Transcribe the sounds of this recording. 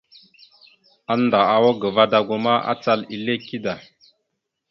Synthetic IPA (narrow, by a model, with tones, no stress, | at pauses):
a˨nda˨a˨wa˦ɡə˨va˦da˨ɡu˦ma˦a̰˦t͡sa˦li˨le˦ki˦da˨